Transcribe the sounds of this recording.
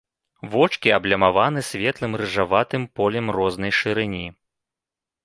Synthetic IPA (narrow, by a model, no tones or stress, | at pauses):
vɔt͡ʂkʲiɐblʲɐmavanɨsʲvʲɛt̪lˠɨmɾɨʐavat̪ɨmpɔlʲɛmrɔznɐjʂɨɾɨnʲi